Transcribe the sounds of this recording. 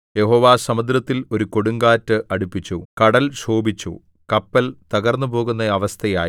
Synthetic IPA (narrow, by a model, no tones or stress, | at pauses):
je̞ɦo̞ːʋaːsɐmud̪ɾɐt̪ːilo̞ɾuko̞ɽuŋɡaːtːɨʔɐɽupːit͡ɕːukɐɽɐlɕoːbit͡ɕːṵ | kɐpːɐlt̪ɐɣɐrnːupo̞ːɣunːɐɐʋɐst̪ʰɐjaː